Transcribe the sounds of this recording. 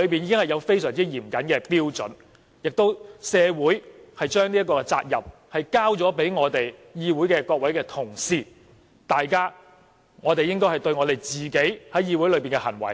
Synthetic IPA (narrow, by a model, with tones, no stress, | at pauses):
ɵ˨˧ɥpiː˨nji˨˧kɪ˥ŋhɐ˨jɐ˨˧wfe˥jsœː˨˩ŋt͡siː˥jiː˨˩mkɐ˨˥nkɛː˧piː˥wt͡sɵ̰˨˥n | jɪ˨k̚t̪o˥wsɛː˨˧wuː˨˥jhɐ˨jt͡ʃœː˥ŋni˥ɐ˥tk̬ːɔː˧kɛ˧t͡sa̰ː˧t̚jɐ˨p̚hɐ˨jkaː˥wt͡sɔː˨˥pe˨˥jŋɔː˨˧t̪e˨jjiː˧wu˨˥jkɛː˧kɔː˧k̚wɐ˨˥jkɛː˧t̪ʰʊ˨˩ŋsiː˧ | t̪aː˨jkaː˥ | ŋɔː˨˧t̪e˨jɪ˥ŋkɔː˥hɐ˨˩jt̪ɵ˧ɥŋɔː˨˧t̪e˨˩jt͡siː˨ke˨˥jhɐ˨˥jjiː˧wu˨˥jlɵ˨˧ɥpiː˨nŋkɛ˧hɐ˨˩nwɐ̰˨˩j